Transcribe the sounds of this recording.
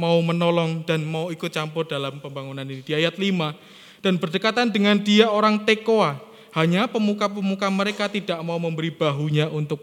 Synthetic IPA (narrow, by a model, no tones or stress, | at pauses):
maumənolɔŋd̥anmauikut͡ʃampʊrdalampəmbaŋunaninid̥iajat̪lima | d̥anbərdəkat̪andəŋandiaoɾaŋt̪ekoa | haɲapəmukapəmukaməɾekat̪idaʔmauməmbəɾib̥aɦuɲaʔunt̪ʊk̚